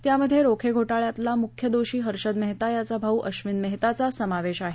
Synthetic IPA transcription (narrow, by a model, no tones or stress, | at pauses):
t̪jaməd̪ʱːjeɾokʰeɡʱoʈaɭjat̪lamukʰjəd̪oɕiːɦəɾɕəd̪məɦt̪ajat͡sabʱauʔəɕʋinməɦt̪at͡sasəmaʋeɕaɦe